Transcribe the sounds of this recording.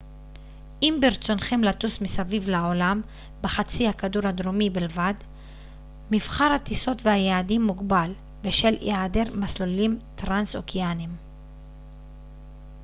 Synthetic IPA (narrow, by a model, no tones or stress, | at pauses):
ʔimbiɾt͡so̞nχimlatusmisavivlaolam | beχat͡sihakaduɾhad̪ɾomibilvad̪ | mifχaɾhat̪iso̞tvehajaadimːuɡbal | beʃe̞ljʔeadeʁmaslolimt̪ʁanso̰kʰianim